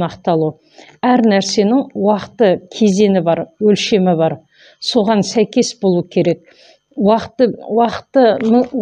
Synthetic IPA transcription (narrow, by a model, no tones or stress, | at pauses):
nɑqt̪ɑlˠu | æɾnæɾse̞nɪŋwɑqt̪əkʲʰe̞ze̞nɪbɑɾwɵlʃe̞mɪbɑɾ | so̞ʁɑnsæjkʲe̞sbo̞lˠuəkʲʰe̞ɾe̞k̚ | wɑqt̪əwɑqə̥t̪ːəm